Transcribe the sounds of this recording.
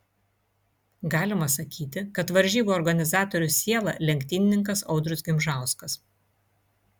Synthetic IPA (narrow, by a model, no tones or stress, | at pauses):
ɡɑːlʲɪmɐsɐkʲiːt̪ʲɪkɐt̪ʋɐɾʲʒʲiːboːɾɡɐnʲɪzɑːt̪ɔɾʲʊsʲiɛlˠɐ̰lʲɛŋʲkʲt̪ʲiːnʲɪnʲɪŋkɐsɒʊd̪ɾʊsɡʲɪmʒɑˑʊskɐs